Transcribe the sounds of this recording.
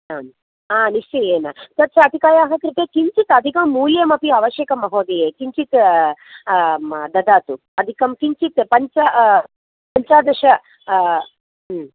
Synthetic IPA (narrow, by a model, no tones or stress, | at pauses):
aːm | aːniʂt͡ʃɐjeːnɐt̪ɐt̪ːt͡ʃʰɐɐd̪ʱikaːjaːɦɐt̪ɾit̪eːkiɲt͡ʃit̪ɐd̪ʱikɐmːuːljɐmɐpiɐʋɐʃjɐkɐmɐɦoːd̪ejeːkiɲt͡ʃit̪ | d̪ɐd̪aːt̪u | ɐd̪ʱikɐmkiɲt͡ʃit̪pɐɲt͡ʃɐ | pɐɲt͡ʃaːd̪ɐʃɐ